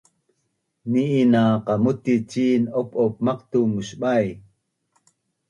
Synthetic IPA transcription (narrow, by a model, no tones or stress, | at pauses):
niʔːnaqɑmut̪it͡ʃinopʔop̚mɑqt̪umuʃɓaj